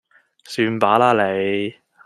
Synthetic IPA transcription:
syː˨˧npaː˨˥laː˥le˨˧j

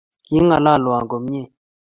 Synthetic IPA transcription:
ji˦ŋa˨la˦˨lwa˨ŋɡo˨m˦ɲe˦˨

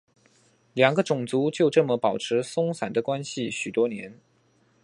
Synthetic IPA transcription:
ljɑ˨˩ŋɡə˦ʈ͡ʂʊ˨˩ŋt͡su˧˥t͡ɕjo˥˧ʊʈ͡ʂɤ˥˩mə˨pɑ˨˩ʊʈ͡ʂʰɻ̩˧˥sʊ˥ŋsa˨˩nd̪ə˦kwa˥nɕi˨ɕy˨˩t̪wɔ˥njɛ˧˥n

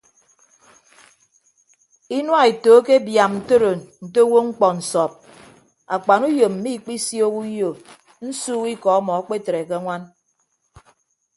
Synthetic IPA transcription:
i˦nwa˦e˨to˨˦ke˦bja˨mn̩˨to˦ɾo˨nn̩˨te˦wo˦ŋ͡m̩˦k͡pɔ˨n̩˨sɔ˨p̚ | a˨k͡pa˨nu˦jo˨m̩˨mi˦˨k͡pi˦sjo˦ku˦jo˨ | n̩˦suː˦ɣi˦kɔ˨ɔ˦mɔ˨a˦k͡pe˦te˨ɾe˨ke˦ŋʷa˦n

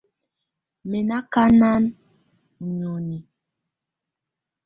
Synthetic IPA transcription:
me˨na˦ka˦na˦n | u˨ɲo˨ni˨

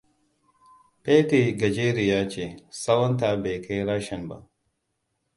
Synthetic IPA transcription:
pe˦te˨ɡɐ˨d͡ʒe˦ɾi˨jaː˦t͡ʃe˨sɐ˦wɐ˦nta˨be˨kʰɐ˦jɾaː˦ʃɐ˨nba̰˨

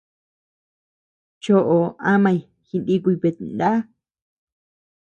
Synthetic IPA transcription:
t͡ʃo˦ʔo˨a˦mã˧i˨ | xi˧ndi˦kʷu˧pe˨˧t̪nd̪a˦

